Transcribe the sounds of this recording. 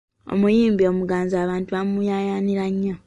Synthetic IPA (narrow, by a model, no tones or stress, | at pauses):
o̰mujiːmbio̞muɡaːnzaːβaːntuβamujajaniɾaɲːa